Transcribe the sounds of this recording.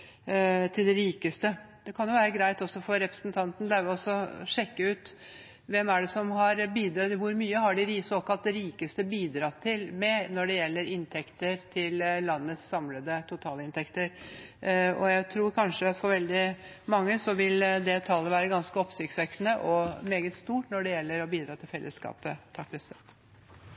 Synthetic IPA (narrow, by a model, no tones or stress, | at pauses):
t̪ʰɪld̪ɛɾiːkəst̪ə | d̪̥ɛkʰɑnjʊʋæːɾəɡɾæɪt̪ɔsːɔfɔɾːɛpɾəsnt̪ʰɑnt̪n̩d̪ɛæɾʋɪlɔsːɔʂɛkːəʉːt̪ | ʋɛmæɖɛsɔmɦɑɾbiːd̪ɾɑt̪ːɪʋʊɾmyːəhɑɖɪɾiːsoːkɑlt̪ɾiːkəst̪əbiːd̪ɾɑt̪ʰːɪlmɛnɔɖɛjɛlːəɾɪnt̪ʰɛkt̪əɾt̪ʰɪllɑnːəsːɑmləd̪ət̪ʰʊt̪ʰɑːləɪnt̪ʰɛkt̪əɾ | ɔ̰jæɪt̪ʰɾuːɾkʰɑnʂəɑt̪fɔɾʋɛld̪ɪ | mɑŋːəsɔʋɪld̪ɛt̪ʰɑːləʋæːɾəɡɑnskəɔpsɪktsʋɛknəʔɔmeːɡət̪st̪uːʈnɔɖɛjɛlːəɾɔbiːd̪ɾɑːt̪ʰɪlfɛlːəskɑ̰ːpət̪ʰɑklɛst̪ɛt̪